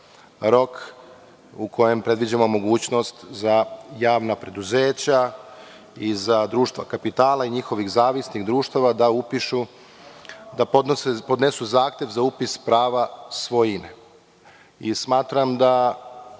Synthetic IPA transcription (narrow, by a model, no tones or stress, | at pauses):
ɾo̞k | ukʰo̞jempɾe̞d̪ʋid͡ʑamo̞mo̞ɡuːt͡ɕno̞st̪zajaːʋnapɾe̞d̪uze̞ːt͡ɕa | izad̪ɾuːʃt̪ʋakapit̪aːlaiɲixo̞ʋiɣzaːʋisniɣd̪ɾuːʃt̪aʋad̪aupiʃu | d̪apoepod̪nesuzaːxt̪ʲje̞ʋzaupispɾaːʋasʋo̞jinḛ | ismaːt̪ɾamd̪a